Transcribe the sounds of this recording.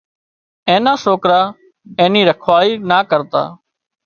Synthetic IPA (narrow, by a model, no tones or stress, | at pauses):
ẽːnaːsoːkɾaː | ẽːnĩːɾəkʰʋaːiːnaːkəɾt̪a̰ː